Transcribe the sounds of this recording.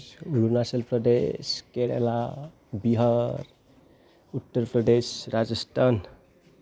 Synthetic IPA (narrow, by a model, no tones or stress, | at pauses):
ulunasəlpɾəd̪ḛskeɽḛla | biɦʌɾ | ut̪ːəɾpɾəɖ̪esɾad͡ʒəsʈʰan